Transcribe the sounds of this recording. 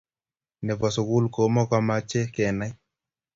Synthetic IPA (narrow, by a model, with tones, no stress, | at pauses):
nɛ˨vɔ˨so˨ku˦lko˨˦mɔ˦ka˦ma˦t͡ʃɛ˦kɛ˨na˦